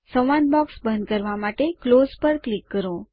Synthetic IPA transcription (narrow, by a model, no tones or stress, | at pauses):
sə̃ʋãn̚bɔksbə̃nd̪̚kəɾʋamaʈeklozpəɾklikːəɾo